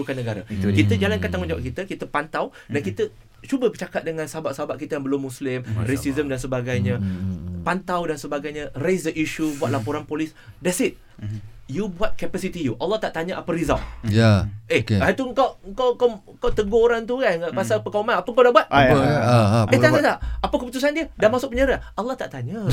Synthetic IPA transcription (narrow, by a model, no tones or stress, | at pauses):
ɾukanːəɡaɾak̪kit̪əd͡ʒalankant̪aŋʊnd͡ʒawap̚kit̪əkit̪əpant̪aw | dankit̪ə | t͡ʃubəbət͡ʃakat̪̚dəŋãnsəɦabaʔsəɦabaʔkit̪əjaŋbəlʊmːũslɪmɾesizəmdansəbaɡajɲãpant̪awdansəbaɡajɲãresdəʔiʃubuat̪lapoɾanpolis | dɛsit̪̚ | jubuat̪̚kɛpasit̪ijuʔalːɔht̪aʔt̪aɲə̃ʔapəɾiza̰lʔjaʔekat̪uəŋkawŋkawkawŋkawt̪əɡooɾaŋt̪ukanpasalpəkamãnapəŋkawdaʔbuat̪̚ə | et̪aɲat̪aʔapəkəput̪usandiədanmasʊk̚pəɲaɾaʔalːaht̪a̰ʔt̪aɲə